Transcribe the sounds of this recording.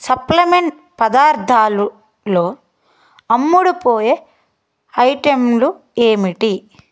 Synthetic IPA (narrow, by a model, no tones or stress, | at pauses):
sɐplɐmeɳʈ | pɐd̪aːɾt̪ʰaːlu | loː | ɐmːuɽupoːje | ɐjʈemlu | e̞ːmiʈi